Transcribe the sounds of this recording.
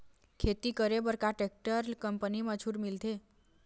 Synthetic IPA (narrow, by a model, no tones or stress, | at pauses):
kʰet̪ikəɾebəɾkaʈek̚ʈəɾkəmpənimət͡ʃʰuɾmilt̪e